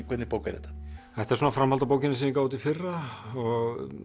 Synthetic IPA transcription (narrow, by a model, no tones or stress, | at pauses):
kʰvɛt̪nɪpoːwka̰ɾɛ̰t̪ːḁ | ɛjht̪aɛɾsɔnafɾamhalt̪apoːwkcɪnɪsinɪkaːwt̪̬ɪfɪrːaɔɣ